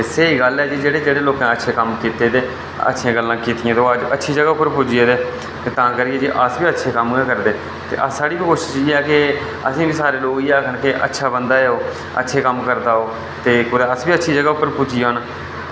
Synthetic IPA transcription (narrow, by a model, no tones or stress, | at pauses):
eseːiːɡəlɛːd͡ʒiːd͡ʒeːɽeːd͡ʒeːɽeːloːkãːətːʃʰeːkəmkiːt̪eːd̪eː | ə̰tːʃʰãːɡəlːãːkiːt̪ɪjãːd̪ːad͡ʒətːʃʰiːd͡ʒəɡaːʊpːəɾpʊd͡ʒɪeːd̪eː | t̪eːt̪ãːkəɾiːeːd͡ʒiːʔəsbiːətːʃʰeːkəmːkəɾd̪eː | t̪ḛːʔəsːaːɽiːbiːkoːʃɪʃiːɛːkɪ | ə̰sĩːbiːsaːɾeːloːkiːaːkʰənkɪʔə̰tːʃʰaːbənd̪aːeoː | ə̰tːʃʰeːkəmkəɾd̪aːoː | t̪eːkʊd̪aːəsbiːətːʃʰiːd͡ʒəɡaːʊpːəɾpʊd͡ʒiːaoːna